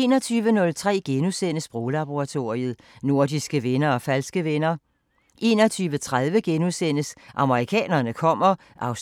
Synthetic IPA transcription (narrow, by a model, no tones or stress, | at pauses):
nɒ̽t͡sʰyːʋənɔ̽lt͡sʰʁɛ̰ːɡ̥enusen̰əsb̥ʁoːlɑ̈b̥oʁɑ̈t͡sʰo̝ɐiəð̩ˠ | no̝ɐ̰d̥isɡ̥əʋenɐɒ̽fælsɡ̥əʋenɐ | ʔe̝̰ːnɒ̽t͡sʰyːʋət͡sʰʁað̞ˠʋəɡ̥enusen̰əsʔɑ̈məʁikʰɛ̰ːnɐnəkʰɒ̽m̰ɐ | ʔɑ̈ʊs